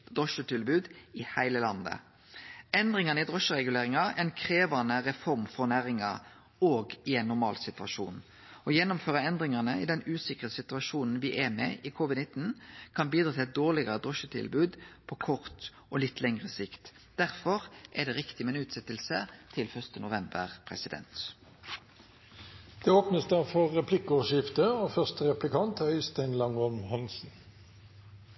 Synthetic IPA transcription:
d̪ʁɔʃət̪ʰɪlbʉːd̪ɪhæɪləlɑnd̪ə̰ | ɛnd̪ʁɪŋɑnəɪd̪ʁɔʃəʁɛɡʉleːʁɪŋɑɛɪnkʰʁeːʋɑnəʁɛfɔʁmfɔʁnæɾɪŋɑ | oːɡɪɛɪnːʊɾmɑ̰ːlsɪt̪ʉʋɑʃṵːn | ɔjɛnːʊmføːʁəɛnd̪ʁɪŋɑnəɪd̪ɛnʉːsɪkʁəsɪt̪ʉɑʃuːnn̩ʋɪʔɛmɛ̰ɪkʰuːʋɪd̪nɪt̪n̩kʰɑnbiːd̪ɾɑt̪ʰɪɛt̪̚d̪oːʁlɪɡɑʁəd̪ɔʃət̪ʰɪ̰lbʉːd̪pʰɔkʰɔʁt̪ | ɔlɪt̪ʰːlɛŋʁəsɪkt̪ | d̪̥æʁfɔʁʔɛd̪ɛːʁɪkt̪ɪmɛːnʉːt̪sɛt̪əlsət̪ʰɪlfœʁst̪ənʊʋɛmbə̰ʁpʰʁɛ̰sɪd̪ɛ̰nt̪ | d̪̥eːoːpnəsd̪ɑfɔʁːɛpʰlɪkɔʃɪft̪əoːfœʁst̪əʁɛplɪkʰɑnt̪œʏst̪æɪnlɑŋɔmhɑnsn̩

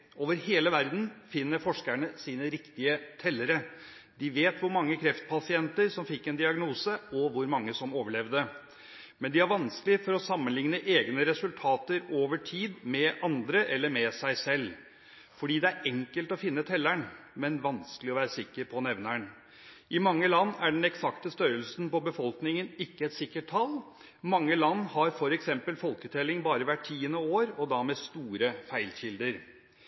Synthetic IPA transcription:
oːʋəɾheːləʋæɾd̪n̩fɪnːəɾfɔʂkæɳəsiːnəɾɪkt̪ɪət̪ʰɛlːəɾə | d̪ɪʋeːt̪ʋʊɾmɑŋːəkʰɾɛft̪̚pʰɑsɪɛnt̪əɾsɔmfɪkːɛnd̪ɪɑɡnuːsəɔʋʊɾmɑŋːəsɔmoːʋəɭɛʋd̪ə | mɛnd̪ɪæɾʋɑnskəlɪəfɔɾɔsɑmːənlɪŋnəʔeːɡnəɾɛsʉlt̪ʰɑːt̪əɾoːʋəʈʰiːd̪mɛʔɑnd̪ɾəʔɛlːəɾmɛsæɪsɛlː | fɔɖiːd̪ɛæɾɛŋkəlt̪ɔfɪnːət̪ʰɛlːæɳmɛnʋɑnskəlɪɔʋæːɾəsɪkːəɾpʰɔnɛʋnæɳ | ʔɪmɑŋːəlɑnːæɖɛn̩ɛksɑkt̪əst̪œɾəlsnpɔbəfɔlknɪŋənɪkːəɛt̪sɪkːəʈ̚tʰɑl | mɑŋːəlɑnːhɑɾfɔɾɛksɛmpəlfɔlkət̪ʰɛlɪŋbɑːɾəʋæʈʰːiːənəoːɾɔd̪ɑmɛst̪uːɾəfæɪlɕɪld̪əɾ

